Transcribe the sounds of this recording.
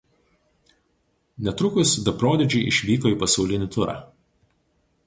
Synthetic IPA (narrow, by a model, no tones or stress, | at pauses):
nʲɛt̪ɾʊkʊsd̪ɐpɾoːd̪ʲɛd͡ʒʲɛɪʔɪʃʲʋʲiːkoːiːˑpɐsɒʊlʲɪnʲɪt̪ʊɾɑ̰ː